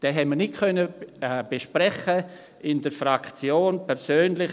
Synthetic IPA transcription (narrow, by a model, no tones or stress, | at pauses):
d̥ɛɦɛmənɪt̚kʰœnəb̥eʃpɾɛχə | ɪndəɾfɾakt͡sjoːnpʰɛɾsøːnlɪχ